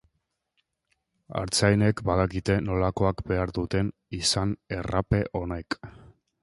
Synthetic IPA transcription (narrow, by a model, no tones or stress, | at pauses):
a̰ɾt͡sajne̞kbaðakit̪e̞no̞lako̞akbe̞aɾðut̪e̞nisane̞rape̞ʔo̞ne̞k